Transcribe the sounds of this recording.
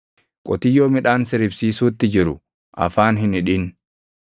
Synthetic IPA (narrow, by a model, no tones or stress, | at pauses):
kʼɔt̪ɪjːoːmɪᶑaːnsɪɾɪbsiːsuːt̪ːɪd͡ʒɪɾʊ | ʔɐ̰faːnɦɪnɪᶑɪn